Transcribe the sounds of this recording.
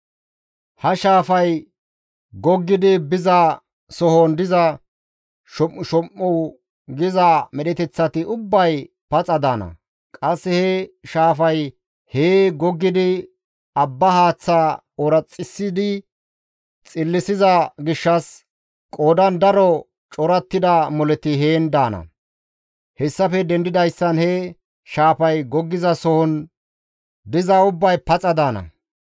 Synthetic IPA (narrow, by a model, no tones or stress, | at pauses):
hɐʃaːfɐj | ɡɔɡːɪd̪ɪbɪzɐ | sɔhond̪ɪzɐ | ʃɔʃɔmːɔw | ɡɪzɐmɛɗɛt̪ɛt͡sːɐt̪ɪʔʊbːɐj | pɐt͡sʼɐd̪anɐ̰ | kʼɐsːɛhɛʃaːfɐj | heːɡɔɡːɪd̪ɪ | ɐbːɐhaːt͡sːa | ɔɾɐt͡sʼːɪsːɪd̪ɪ | t͡sʼɪlːɪsɪzɐɡɪʃːɐs | kʼoːd̪ɐnd̪ɐɾɔ | t͡ʃʼɔɾɐt̪ːɪd̪ɐmɔlɛt̪ɪɦeːnd̪aːnɐ̰ | hɛsːɐfɛd̪ɛnd̪ɪd̪ɐjsːɐnhɛ | ʃaːfɐjɡɔɡːɪzɐsɔhɔn | d̪ɪzɐʊbːɐjpɐt͡sʼɐd̪aːnɐ̰